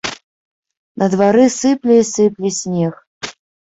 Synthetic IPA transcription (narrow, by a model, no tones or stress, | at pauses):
nʔɐd̪vaɾɨsɨplʲisɨplʲisʲnʲex